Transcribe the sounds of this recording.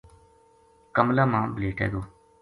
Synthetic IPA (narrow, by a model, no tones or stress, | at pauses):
kəmlaːmãːbəleːʈḛːɡ̪oː